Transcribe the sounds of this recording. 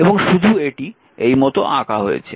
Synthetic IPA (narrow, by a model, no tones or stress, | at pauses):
eboŋʃud̪ʱueʈi | ejmɔt̪oʔakaɦojḛt͡ɕʰe